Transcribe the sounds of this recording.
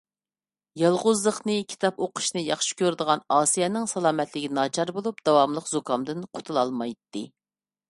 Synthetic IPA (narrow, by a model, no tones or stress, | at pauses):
jɑlˠʁʊzlˠəχnɨkʲʰi̥t̪ʰɑpoqʰʊ̥ʃnɨjɑχʃi̥kʲøɾd̪əʁɑnɑːsijɛnɪŋsɑlˠɑːmɛt̪lɪɡʲinɑːt͡ʃʰɑɾbolˠup̚d̪ɑwɑmlˠəqzokʰɑmd̪ɨnqʰo̥t̪ʰulˠɑlˠmɑjt̪ːɨ